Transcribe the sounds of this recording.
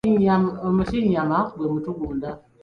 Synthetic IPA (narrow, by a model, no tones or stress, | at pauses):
ɲammətiɲamabemətuɡunda